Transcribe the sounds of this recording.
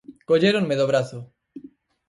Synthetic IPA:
koʎeɾoŋmeðoβɾaθo

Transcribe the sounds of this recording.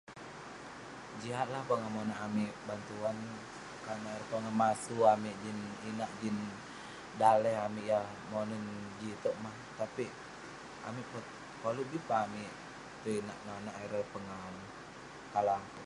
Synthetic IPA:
d͡ʒiɦat̪̚lahpaŋamonaʔːmiʔbant̪uan | kanaɾəpəŋamasuamiʔd͡ʒininaʔd͡ʒin | dalɛɦamiʔjah | monənd͡ʒit̪ɔʔmaht̪api | a̰miʔpɔt̪̚ | palubipaːmiʔ | t̪əina̰ʔnanaʔɛɾəpəŋan | kalaŋ

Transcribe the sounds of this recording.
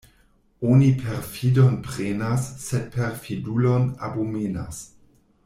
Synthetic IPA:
onipʰeɾfidonpɾenasːed̚pʰeɾfidulona̰bumena̰s

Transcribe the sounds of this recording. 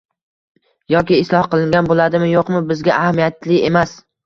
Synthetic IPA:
jɒkʲɪːslˠɒhqɨlˠɪŋɡʲanbolˠad̪ɪmɪjoqmʊbɪzɡʲaʔahamijat̪lɪemas

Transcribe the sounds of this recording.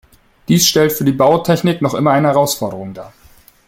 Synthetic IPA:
d̥iːsʃtɛltfyːɐdiːbaʊtʰɛçnɪknɔχʔɪ̰mɐaɪnəhɛʁaʊsfɔɐɾəʁʊŋdaː

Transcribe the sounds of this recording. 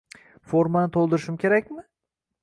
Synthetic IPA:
foɾmanɪt̪ʰolˠd̪ɪɾɪʃɪmkʲʰe̞ɾakʲmɪ

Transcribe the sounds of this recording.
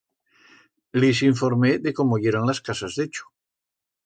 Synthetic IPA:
lis̬iɱfoɾmeðekomoɣjeɾonlaskasazðet͡ʃu̥

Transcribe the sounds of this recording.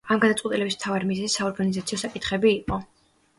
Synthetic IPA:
amɡad̪at̪sʼwɛt̪ʼilɛbismt̪ʰavaɾmizɛzisːaɔɾɡanizat̪sʰiɔsakʼit̪ʰχɛbiːqʼɔ

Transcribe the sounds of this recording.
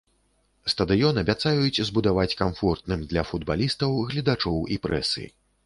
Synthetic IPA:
st̪ɐd̪ɨjɔnɐbʲat̪sajut͡sʲzbud̪avat͡sʲkamfɔrt̪nɨmd̪lʲɐfud̪balʲist̪ɐwɣlʲid̪at͡ʂɔwipɾɛ̰sɨ̰

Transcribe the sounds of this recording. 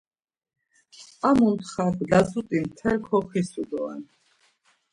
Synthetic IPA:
amunt̪χaɡlazut̪ʼimt̪ʰɛlkʰɔχisud̪ɔɛ̰n

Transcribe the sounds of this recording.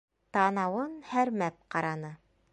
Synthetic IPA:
t̪ɑnɑwɤnhæɾmæp̚qɑɾɑnɤ

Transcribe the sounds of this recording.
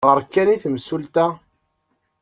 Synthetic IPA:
ʁəɾkːæniθmsult̪æ

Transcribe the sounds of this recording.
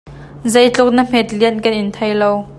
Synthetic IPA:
zejt͡ɬʊk̚nəm̥ɛt̪̚liənkɐnʔɪnt̪ʰɐjlow

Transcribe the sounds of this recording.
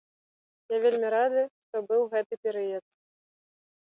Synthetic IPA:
javʲelʲmʲiɾad̪ɨʂt̪ɔbɨwˠɣɛt̪ɨpʲɛɾɨjɐt̪̚

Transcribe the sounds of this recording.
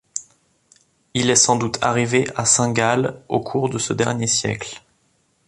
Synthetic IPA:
ilɛsɑ̃d̪ut̪ʰa̰ʁiveʔasɛ̃ɡalo̰kʰuʁd̪əsəd̪ɛʁnjesjɛ̰kl

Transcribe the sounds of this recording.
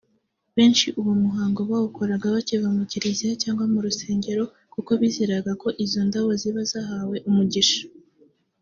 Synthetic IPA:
βe̞ːnʃiʔuwomuɦaːŋɡo̞βawukoɾaɡaβacivamuciɾiziacaːŋɡwamuɾuse̞ːɲɟe̞ɾo̞ | kuko̞βiziɾaɡako̞ʔizondawoziβazaɦawe̞ʔumuɟiʃḁ

